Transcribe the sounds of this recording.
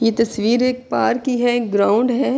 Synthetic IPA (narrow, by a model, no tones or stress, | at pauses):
jeːt̪ɐsʋiːɾeːk̚paːɾkːiɦɛkɡɾaːʊ̃ɳɖɦɛː